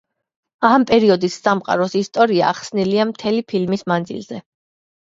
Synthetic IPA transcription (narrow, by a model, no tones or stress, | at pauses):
ampʼɛɾiɔd̪isːamqʼa̰ɾɔsist̪ʼɔɾiaːχsniliamt̪ʰɛlipʰilmismand̪zḭlz̥ɛ